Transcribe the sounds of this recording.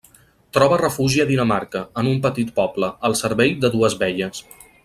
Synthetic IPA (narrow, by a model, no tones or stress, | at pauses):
t̪ɾɔβərəfuʒiəðinəmaɾkəənumpət̪it̪̚pɔbləəlˠsəɾβɛjd̪əðuəzβɛʎəs